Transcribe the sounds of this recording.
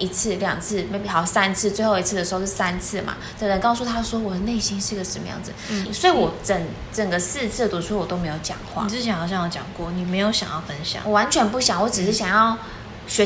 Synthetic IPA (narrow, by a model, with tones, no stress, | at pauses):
i˧˥t͡sʰɹ̩˥˩ljɑ̰˨˩ŋt͡sʰɹ̩˥˩me˧˥ɪpi˨˩xɑ˨˩ʊ˥˩sa˥nt͡sʰɹ̩˥˧t͡swe˥˧xo˥˩ʊi˧˥t͡s̩̪ʰ˥˩ə˩ʂ̩˧xo˥˧˩a˥nt͡sʰɹ̩˥˩ma̰˩t̪ə˧˩ɻə˧˥ŋkɑ˥˧ʊsu˥˩t̪ʰa˥ʂwɔ˥wɔ˨˩d̪ə˦ne˥˩ɪɕi˥nʂɻ̩˥˩˧ɡə˩ʂə˨˧mə̰˧˦jɑ̰˥˩ŋd͡z̩˩swɔ˧˥i˨˥wɔ˨˩˦t͡sə˨˩˦ŋ | ʈ͡ʂə˨˩ŋɡə˦sɹ̩˥˧t͡sʰɹ̩˥˩t̪wɔ˧˥ʈ͡ʂʰu˥wɔ˨˩t̪o˥me˧˥ɪjo˧˩ʊt͡ɕjɑ̰˨˩ŋxwa̰˥˧˨t͡sɹ̩ʰ˥˩ɛ˧˦˥nxɑ˨˩ʊɕjɑ˥˩ŋwɔ˧˥t͡ɕjɑ̰˨˩ŋkwɔ˥˩ni˨˩me˧˥ɪjo˧˥ʊɕjɑ̰˨ŋjɑ˥˩ʊfə˦˥nɕjɑ̰˨˦wɔ˨˩wa˧˥nt͡ɕʰɥɛ˧˥npu˥˩ɕjɑ˨˦ŋwɔ˧˥ʈ͡ʂɻ̩˨˩ʂɻ̩˧˥˩ɕjɑ˨˩ŋjɑ˥˩ʊ | ɕɥɛ˧˥